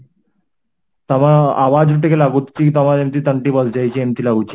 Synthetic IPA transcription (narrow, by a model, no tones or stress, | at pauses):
t̪əʋaaʋad͡zʈekelaɡut̪t͡ɕiːt̪əm̤aemt̪iːt̪əɳʈiːbəd͡zd͡ʑajt͡ɕiːemt̪iːlaɡut͡ɕi̥